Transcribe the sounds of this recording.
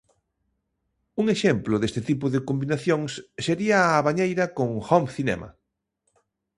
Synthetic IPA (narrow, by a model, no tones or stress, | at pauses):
uŋeʃemplʊðest̪ɪt̪ip̬ʊðɪkombinaθjoŋsːeɾiɐːβaɲejɾɐkoŋxɔmθinɛ̰mɐ̰